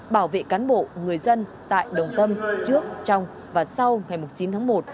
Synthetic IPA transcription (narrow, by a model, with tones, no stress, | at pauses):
ɓaː˧˩wvḛ˧˨kaː˨˦nɓo̰˧˨ŋɨ˨˩əjzə˧n | t̪a̰ː˧˨jɗə˨˩wŋ͡mt̪ə˧mt͡ɕɨ˦˥ək̚t͡ɕɔ˧wŋ͡m | vaː˨˩sa˧wŋa˨˩jmʊ˨˩ŋ͡mt͡ɕi˨˦nt̪ʰaː˨˦ŋmo˨˩t̚